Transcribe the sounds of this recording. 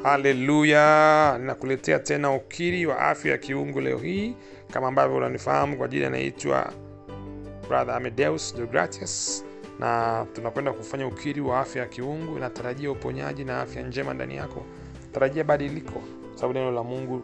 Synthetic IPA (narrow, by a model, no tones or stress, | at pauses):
halɛlujaninakulɛtɛatɛnaukʰiɾiwa̰ʔa̰fjaja̰kiuŋɡulɛ̰ɔ̰hiː | kamaːmbavjɔunanifahamukwaʄilia̰na̰ḭtwa̰ | bɾaðamɛdɛusd͡ʒɔɡɾa̰tis | natunakwɛndakufaɲaukʰiɾiwaafjajakiuŋɡunataɾaʄiaupɔɲa̰ʄinaa̰fjand͡ʒɛma̰nda̰nḭja̰kɔ̰ | taɾaʄiaɓaɗilikʰɔ | kwasaaɓunɛnɔlamuŋɡu